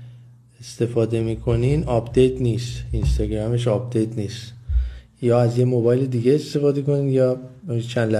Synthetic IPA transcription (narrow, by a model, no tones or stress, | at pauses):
e̞st̪e̞fɒːd̪e̞miːkʰo̞niːnɒpd̪e̞jt̪ʰniːst̪inst̪ɒɡɾæme̞ʃɒːb̚d̪ejt̪ʰniːst̪ | jɒːæzjemobɒːjled̪iːɡe̞est̪e̞fɒːd̪eko̞niːnd̪jɒːt͡ʃʰænd̪læ